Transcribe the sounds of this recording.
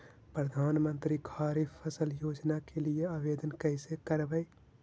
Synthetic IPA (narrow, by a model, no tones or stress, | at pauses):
pɾəd̪ʱaːnmənt̪ɾikʰaɾipʰːəsəljoːd͡ʒnakelieabed̪ənkəɪsekəɾbəɪ